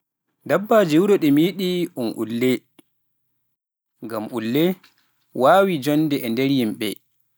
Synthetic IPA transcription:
dabːad͡ʒewuɾɔɗɛmiɗiʔunʔṵlːɛ | ŋɡamʔulːɛ | waːwid͡ʒɔnːdɛʔɛndɛɾjimɓɛ̰

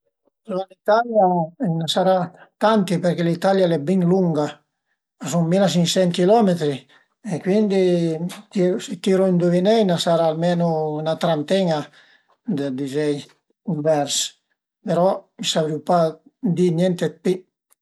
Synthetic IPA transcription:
sualit̪aljaɛnasaɾat̪ant̪ipeɾkelit̪aljalɛbiŋluŋɡa | asuŋmilas̬iŋsɛŋkilɔmet̪ɾi | ekwind̪it̪iɾsit̪iɾoind̪uvinɛjnasaɾaːlmenunat̪ɾant̪ɛŋa | d̪ed̪izɛj | iɱvɛɾs | peɾɔmisavɾiwpad̪iɲjɛnt̪epi

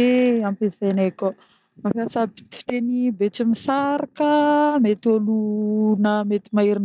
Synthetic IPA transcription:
eampezeneko | mafasabi̥t͡si̥t̪enibet͡simisaɾakəmet̪olunəmet̪imaiɾin

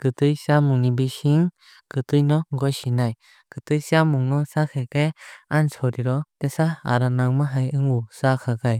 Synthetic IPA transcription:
kɯt̪ɯjsamuŋnibisiŋ | kɯt̪ɯjnɔɡɔjsinaj | kɯt̪ɯjsamuŋnɔsakʰɛkeansʰɔɾiɾɔt̪ɛsaa̰ɾanaŋmaɦajɯŋusakʰakaj

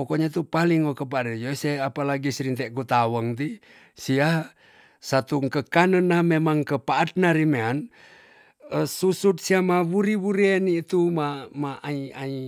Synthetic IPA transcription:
okoɲat̪upaliŋokəp̬aɾid͡ʒoseapalaɡisiɾint̪ɛʔkut̪awəŋt̪̬i | sia | sat̪uŋkəkanənamemaŋkəpaʔat̪̚naɾimean | əsusut̪̚siamawuɾiwuɾieniːt̪umamaaiai

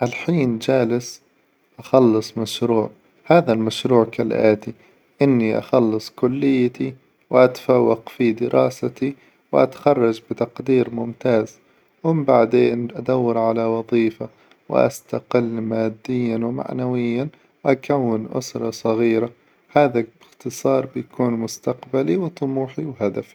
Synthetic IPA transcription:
ʔalħiːnd͡ʒaːlɪs | ʔaxɑlːɨsˤmaʃɾuːʕ | haːðalmaʃɾuːʕkalʔaːt̪i | ʔɪnːiʔɑ̰xɑlːɨsˤkʊlːɪjːt̪i | wɪʔat̪ḁfawːɑqfid̪ɪɾʔɑːsat̪i | wʔa̰t̪ḁxɑrˤːɑd͡ʒbɪt̪ɑqd̪iːɾmʊmt̪aːz | wɪmbaʕd̪eːnʔad̪awːɪɾʕalawɑðˤiːfa | wɪ̰ʔa̰st̪aqɪlːmaːd̪ːɪjːanwma̰ʕnawɪjːan | wʔakawːɪnʔʊ̰sɾˤɑsˤɑɣiːɾa | haːðaɪxt̪ɨsˤɑːɾˤbɪjakʰuːnmʊst̪aqbaliwt̪ˤʊmuːħiwɦad̪afi

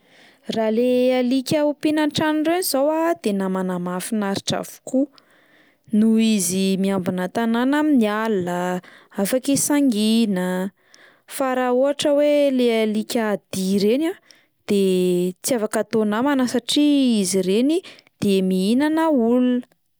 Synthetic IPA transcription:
ralealikʲəupinanʈ͡ʂanrenizawad̪̥enamanamafinaɾiʈ͡ʂa̰v̥u̥ku | nuizimiambinat̪ananaminialəafakesaŋɡinə | faɾauaʈ͡ʂəwelealikʲad̪̥iɾena | d̪̥et͡siavakat̪onamanəsaʈ͡ʂiiziɾenid̪̥emiinanəulunə̥

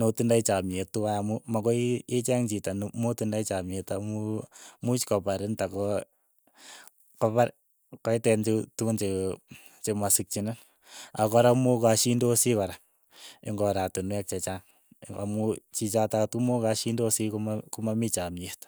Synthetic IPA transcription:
notundait͡ʃametːuwajamumakɔiet͡ʃaŋt͡ʃitanmotundait͡ʃamietamumut͡ʃkɔpaɾɪntakɔ | kɔpaɾ | kɔitɛnt͡ʃetuunt͡ʃe | t͡ʃemasik̚t͡ʃinan | akɔɾamokaʃindosikɔɾa | ɪ̰ŋɡɔɾatunuɛk̚t͡ʃɛt͡ʃaŋ | a̰mut͡ʃit͡ʃatatumokaʃindosikkumamit͡ʃamet

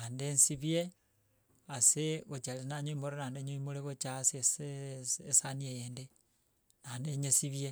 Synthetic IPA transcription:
nandensiβje | aseβot͡ʃalenaɲoimoɾenaːndeɲoimoleβot͡ʃasiseesaniejende | naːndeɲesiβje

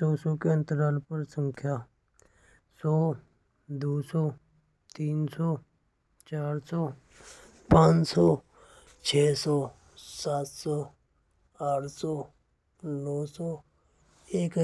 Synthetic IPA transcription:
sɔːsɔːkeə̃nt̪əɾaːlpəɾsə̃ŋkʰjaː | sɔː | d̪uːsɔː | t̪iːnsɔː | t͡ʃaːɾsɔː | pãːt͡ʃsɔː | t͡ʃʰeːsɔː | saːt̪sɔː | aːʈʰsɔː | nɔːsɔː | eːk

